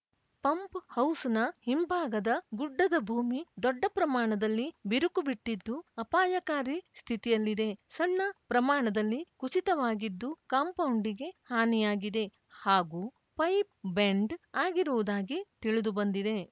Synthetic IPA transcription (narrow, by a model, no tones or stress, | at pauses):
pɐmphɐwsnɐhimbʱaːɡɐd̪ɐɡuɖːɐd̪ɐbʱuːmid̪ɔɖːɐpɾɐmaːɳɐd̪ɐlːibiɾukubiʈːid̪ːuɐpaːjɐkaːɾist̪ʰit̪ijɐlːid̪e̞sɐɳːɐpɾɐmaːɳɐd̪ɐlːikut͡ʃit̪ɐʋaːɡid̪ːukaːmpɐwuɳɖiɡe̞haːnijaːɡid̪e̞ | haːɡuː | pɐjp̚beɳɖaːɡiɾuʋud̪aːɡit̪iɭud̪ubɐnd̪id̪e̞